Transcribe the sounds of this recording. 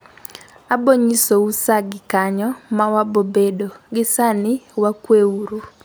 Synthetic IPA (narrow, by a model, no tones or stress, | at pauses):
aboɲisousaɡɪkaɲɔmawabobedoɡɪsanɪwakweuɾu